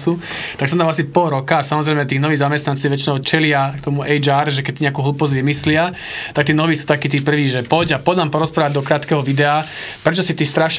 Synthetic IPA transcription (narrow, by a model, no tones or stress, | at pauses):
su | t̪aksɔmt̪amasipɔɾɔkaːsamɔzɾɛjmɛt̪iːɣnɔʋiːɣzamɛst̪nant͡siːʋɛt͡ʃinɔʊt͡ʃɛlɪakt̪ɔmuʔɛjd͡ʒaːɾʒɛkɛc̚t̪iɲɛakuːɦlupɔzɟʋimislɪa | t̪ak̚t̪iːnɔʋiːsuːt̪akiːt̪iːpr̩ʋiːʒɛpɔɟapɔd̪ampɔɾɔspɾaːʋaɟd̪ɔkɾaːt̪kɛɦɔʋid̪ɛapɾɛt͡ʃɔsit̪ist̪ɾaʃ